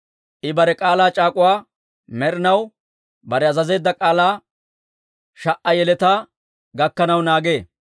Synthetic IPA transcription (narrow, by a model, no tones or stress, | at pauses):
ʔɪbɐɾɛkʼaːlaːt͡ʃʼaːkʼʊwaː | mɛɾɪnɐw | bɐɾɛɐzɐze̞ːd̪ːɐkʼaːlaː | ʃɐʔːɐjɛlɛt̪aː | ɡɐkːɐnɐwnaːɡeː